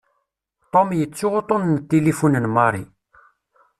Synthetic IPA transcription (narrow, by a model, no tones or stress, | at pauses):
t̪ˤomjət͡sːʊʁot̪ˤonnət̪ːelifunənmɑɾˤi